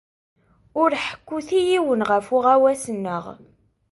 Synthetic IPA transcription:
ʊɾħə̥kʷːuθijiwənʁəfʊʁæwæsənːəʁ

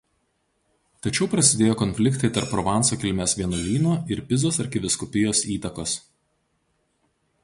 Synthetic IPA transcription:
t̪ɐt͡ʃʲɛʊpɾɐsʲɪd̪ʲeːjoːkɔnʲfʲlʲɪkt̪ɐɪt̪ɐɾpːɾɔʋɑˑnsoːkʲɪlʲmʲeːsʋʲiɛnolʲiːnoːɪɾpʲɪzoːsɐɾkʲɪʋʲɪskɔpʲɪjoːsiːt̪ɐkoːs

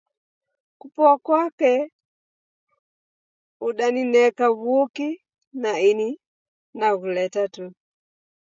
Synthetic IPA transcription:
kupɔakwakɛ | uɗaninɛkaβuki | naini | naɣulɛtatu

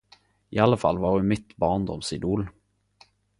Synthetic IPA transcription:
ɪ̰alːəfa̰lːvɑʁjʉmɪt̪bɑːʁnd̪ɔ̰msɪd̪uːl

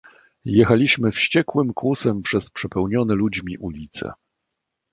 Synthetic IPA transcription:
jɛxalʲiɕmɘfɕt͡ɕɛkwɘmkwusɛmpʂɛspʂɛpɛwɲɔnɛlud͡ʑmʲiʔulʲit̪sɛ̰

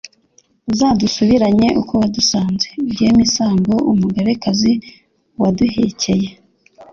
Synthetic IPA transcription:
zaːdusuβiɾaɲe̞ʔuko̞wadusaːnze̞bɟeːmisaːmbo̞ʔumuɡaβe̞kazi | waduhece̞je̞

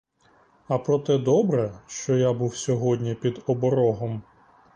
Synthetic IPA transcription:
ɐpɾɔt̪ɛd̪ɔbɾɛʃt͡ʃɔjabuwsʲɔɦɔdʲnʲipʲid̪ɔbɔɾɔɦɔm

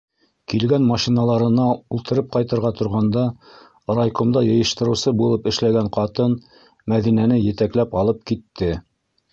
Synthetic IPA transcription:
kilɡænmɑʃinɑlˠɑɾɤ̆nɑulˠt̪ɤ̆ɾɤp̚qɑjt̪ɤ̆ɾʁɑt̪ŏɾʁɑnd̪ɑ | rɑjkomd̪ɑjɤ̆jɤ̆ʃt̪ɤ̆ɾɤ̆wsɤbulˠɤpɘ̆ʃlæɡæɴqɑt̪ɤn | mæðinænɘjɘ̆t̪æklæpɑlˠɤp̚kit̪ːɘ

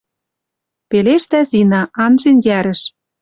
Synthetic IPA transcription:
peleʃt̪æzinɑʔɑnʒenjæɾɘ̆ʃ

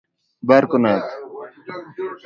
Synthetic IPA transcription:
bɐɾkonat̪

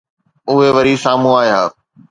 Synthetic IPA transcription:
ʊɦeʋɐɾisaːm̤ũaːjɦaː

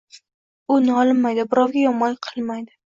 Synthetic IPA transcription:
ʊnɒlɪnmajd̪ɪbɪɾɒwɡʲajɒmɒŋʲqʰɨlˠmajd̪ɪ

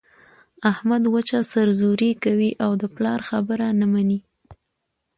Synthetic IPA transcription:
ahmad̪wat͡ʃasaɾzuɾikawiʔawd̪əplɑɾxabəɾanamani

